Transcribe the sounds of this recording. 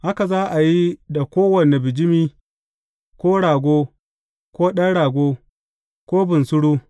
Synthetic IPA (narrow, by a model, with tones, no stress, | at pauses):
ʔa˦ka˨zaː˦ʔa˨ji˦da˨kʷoː˦wɐ˨ne˨bɪ˨d͡ʒɪ˦miː˦ | kʷoː˦ɽaː˨ɡʷoː˦ | kʷoː˦ɗɐ˦nɽaː˨ɡʷoː˦ | kʷoː˦bɪ˨nsʊ˦ɽuː˦